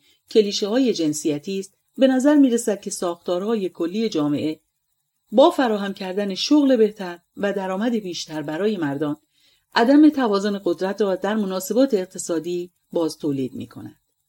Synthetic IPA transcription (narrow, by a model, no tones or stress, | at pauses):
cʰe̞liːʃehɒːje̞d͡ʒe̞nsijæt̪ʰiːst̪ | be̞næzæɾmiːɾesæd̪̥̚cʰe̞sɒːxt̪ɒːɾhɒːje̞kʰo̞lːiːe̞d͡ʒɒːme̞̰ʔe̞ | bɒːfæɾɒːɦæmcʰæɾd̪æne̞ʃoɣle̞be̞ht̪ʰæɾ | væd̪æɾɒːmæd̪e̞biːʃt̪æɾbæɾɒːje̞mæɾd̪ɒːn | ʔæd̪æme̞t̪ʰævɒːzone̞ɣo̞d̪ɾæt̪ʰɾɒːd̪æɾmo̞nɒːse̞bɒːt̪ʰe̞ːq̚t̪ʰe̞sɒːd̪iː | bɒːz̥t̪ʰoːliːd̪̚mḭːkʰo̞̰næ̰nd̪̥